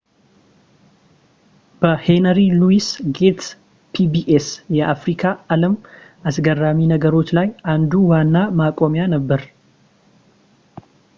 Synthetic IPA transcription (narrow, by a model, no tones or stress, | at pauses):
b̥əhe̞nəɾiluisɡe̞t̪ | pʰibiʔesjɛʔafɾikʰaaləmʔasɡərːaminəɡəɾo̞t͡ʃːlajʔand̪uwanːamakʼomjanəbːəɾ